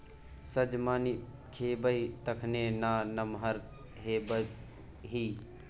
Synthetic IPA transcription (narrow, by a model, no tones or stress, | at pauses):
səd͡ʒmaːni | kʰebəit̪əkʰnenaːnəmɦəɾ | ɦebə | ɦi